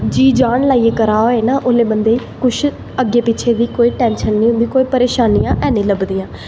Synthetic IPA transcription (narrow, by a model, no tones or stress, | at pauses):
d͡ʒiːd͡ʒaːɳlaːieːkəɾaːɦoːeːnaːʔoːleːbənd̪eː | kʊʃʰ | əɡːeːpɪt͡ʃʰeːd̪iːkoːiːʈɛːnʃənːĩːɦʊ̃nd̪iːkoːiːpəɾeːʃaːniːjãːʔɛːnĩːləbd̪iːãː